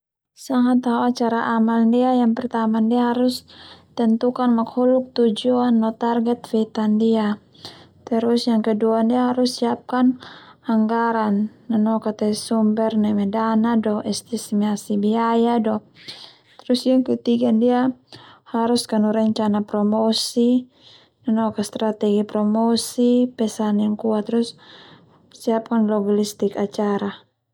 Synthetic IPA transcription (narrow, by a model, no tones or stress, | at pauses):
saŋat̪ɦaaat͡ʃaɾaʔamalndiajaŋpɛrt̪amandiaɦaɾust̪ɛnt̪ukanmakhuluk̚t̪ud͡ʒuanːɔt̪arɡɛt̪fɛt̪andia | t̪ɛɾusjaŋkɛduandiaɦaɾusːiap̚kanaŋɡaɾanːanɔkat̪ɛsumbɛrnɛmɛdanadɔʔɛst̪ismiasibiajadɔ | t̪ɾusjaŋkɛt̪iɡandiahaɾuskanuɾɛɲt͡ʃanapɾɔmɔsi | nanɔkast̪ɾat̪ɛɡipɾɔmɔsipɛsanjaŋkuat̪ɾusː | iap̚kanlɔɡalist̪ikat͡ʃaɾa